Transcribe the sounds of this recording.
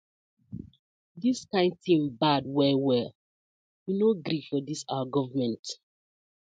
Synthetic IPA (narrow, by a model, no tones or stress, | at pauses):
diskãɪ̃nd̚θĩmbad̚wɛwɛl | winoɡɾifɔdisaaɡɔvəmɛ̃nt